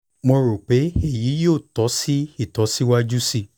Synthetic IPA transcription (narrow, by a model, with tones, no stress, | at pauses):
mɔ̃˧ɾo˨k͡pe˨˦e˦˨ji˨˦jo˦˨tɔ˨˦si˦i˦˨tɔ˨˦si˦wa˦d͡ʒu˦si˦˨